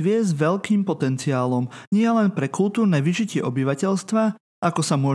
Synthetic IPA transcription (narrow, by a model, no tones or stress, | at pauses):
ʋɪɛzʋɛʎkiːmpɔt̪ɛnt͡siaːlɔmɲɪɛlɛnpɾɛkult̪uːɾnɛːʋiʒicɪɛʔɔbiʋacɛʎst̪ʋa | akɔsamʊɔ